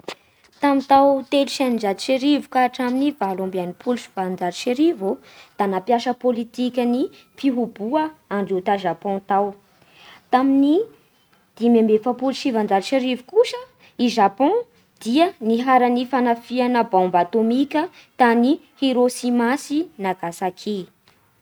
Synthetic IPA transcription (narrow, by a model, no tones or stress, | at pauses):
t̪amit̪awt̪elʃanind͡ʒat̪i̥ʃeɾivukaʈ͡ʂaminivalãmbanipʰuluʃi̥vand͡ʒaɾiʃeɾivu | d̪̥anapjaʃəpolit̪ikʲəni | fiɦubuəaɳɖ͡ʐut̪aʒapɔ̃t̪aw | t̪amini | d̪̥imembefəpuluʃivand͡zaɾʃeɾivukuʃə | iʒapɔ̃ | d̪̥iəniɦaɾanifanafianəbãmbat̪omikʲət̪ani | heɾosimasinaɡasakʰi